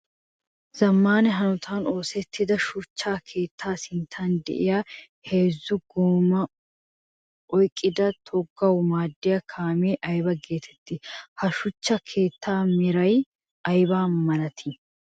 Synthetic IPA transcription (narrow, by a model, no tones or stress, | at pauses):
z̥ɐmːaːnɛɦɐnʊt̪ʰaːno̞ːsɛt̪ːɪd̪ɐʃʊt͡ʃːaːkʰe̞ːt̪ʰːaːsɪnt̪ʰaːnd̪ɛ̰ʔɪjaː | he̞ːzːʊɡoːmɐ | ʔɔjkʼːɪd̪ɐt̪ʰɔɡːɐwmaːd̪ːɪjɐkʰaːmeːʔɐjbɐɡe̞ːt̪ʰɛ̥t̪ːɪhɐʃʊt͡ʃːɐkʰe̞ːt̪ːaːmɪɾɐj | ɐjbaːmɐnɐt̪ʰɪ